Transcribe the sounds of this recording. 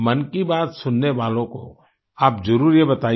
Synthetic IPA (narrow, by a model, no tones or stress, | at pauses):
mɐnkibaːt̪sʊnːeʋaːlõko̰ | aːpzɐɾuːɾjebɐt̪aː